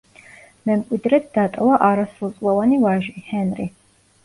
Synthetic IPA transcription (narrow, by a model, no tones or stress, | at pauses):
mɛmkʷʼid̪rɛt̪̚d̪aːt̪ʼɐwɐʔaːɾɐsrut͡sʼwɐwɐniwaːʒihɛnri